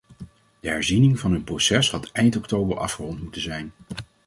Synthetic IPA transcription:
d̥əɦɛɹzinɪŋvɑnɦɵnprowsɛsɦɑtɛjntɔktowbəɹʔɑ̰fχərɔntmutənzɛjn

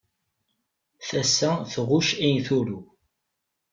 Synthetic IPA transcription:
θæsːæθʁʊʃijθuɾu

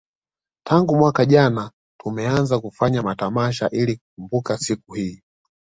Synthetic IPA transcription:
tʰaŋɡumwakaʄana | tumɛanzakufaɲamatamaʃaʔilikuk̚umbukasikuhiː

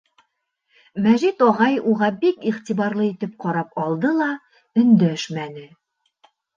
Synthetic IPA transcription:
mæʒit̪ɒʁɑjuʁɑbikiχt̪iβɑɾlˠɤit̪ɘp̚qɒɾɑp̚ɒlˠd̪ɤlˠɑ | ɵ̆nd̪æʃmænɘ

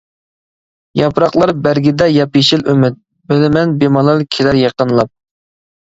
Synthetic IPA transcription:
jɑpɾɑqlˠɑɾbæɾɡʲɪd̪ɛjɑpjiʃɪlymɪt̪̚ | bɪlɪmɛnbemɑlˠɑlkʲʰelɪɾjeqənlˠɑp̚

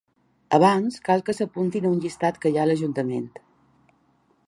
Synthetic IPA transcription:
əβanskalˠkəsəpunt̪inəunʲʎist̪at̪kəjaləʒunt̪əment̪

